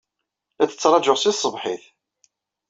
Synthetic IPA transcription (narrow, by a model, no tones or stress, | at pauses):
æt͡sːə̥t͡sːɾˤɑd͡ʒʊʁsisˤːəvħɪθ